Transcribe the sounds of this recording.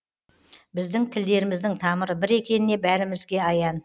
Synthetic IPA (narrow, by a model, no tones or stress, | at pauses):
bɪzd̪ɪŋt̪ʰɪld̪e̞ɾɪmɪzd̪ɪŋt̪ʰɑməɾəbɪɾe̞kʲe̞nɪne̞bæɾɪmɪzɡʲe̞ɑjɑn